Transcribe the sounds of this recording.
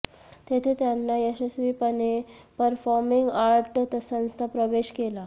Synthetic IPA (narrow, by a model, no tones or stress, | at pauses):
t̪et̪ʰet̪janːaesesʋipənepəɾfɔɾmiŋɡaɾʈt̪əsə̃ñst̪ʰapɾəʋeɕkela